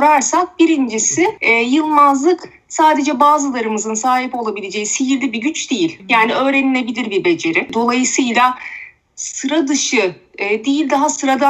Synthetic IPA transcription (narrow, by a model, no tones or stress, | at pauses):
ɾaɾsak̚biɾind͡ʒisɪɛjɯlˠmazlˠɯk | saːd̪e̞d͡ʒɛbaːzɯlˠaɾɯmɯzɯnsaːɦipo̞lˠabilʲe̞d͡ʒe̞jisijiɾd̪ʲibiɟʲyt͡ʃd̪ejilʲjaːniø̞ːɾenilʲe̞bilʲiɾbiɾbe̞d͡ʒe̞ɾid̪o̞lˠajɯsɯjlˠa | ssɯɾad̪ɯʃɯːd̪ejilʲd̪aɦasɯɾad̪a